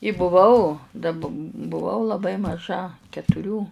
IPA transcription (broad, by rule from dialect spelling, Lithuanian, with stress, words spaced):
ɪ bʊˈʋɐʊ dɐ p bʊˈʋɐʊ lˠɐˈbɐɪ mɐˈʒɐ kʲɛtʊˈrʲuː